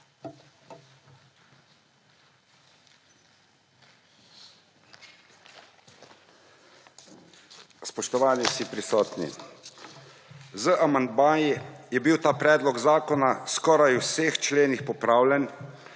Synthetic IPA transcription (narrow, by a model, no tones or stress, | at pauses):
spɔʃt̪ɔʋaːnisipɾisɔːt̪nḭ | zəʔamand̪maːjijɛbiwt̪aːpɾɛːd̪lɔɡzaːkɔnaskɔːɾajuwseːxt͡ʃleːnixpɔpɾaːwlʲɛn